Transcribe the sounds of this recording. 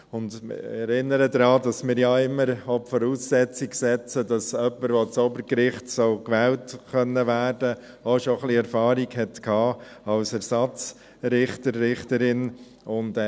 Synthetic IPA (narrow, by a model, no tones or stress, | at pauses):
ʊndmɪ̰ɛɾɪnːəɾədɾɑːdɑsmɪːɾjɑɪmːəɾɔpfɔɾuːsːɛt͡siɡsɛt͡sədɑsœpːəɾʋot͡sobəɾkɾɪχtsɔʊkʋɛːltχœnːəʋæːɾdə | oʃoχliɛɾfɑːɾiɡhɛtkʰɑːɑlsɛɾsɑt͡s | ɾɪχtəɾːɪχtəɾɪn | ʊnd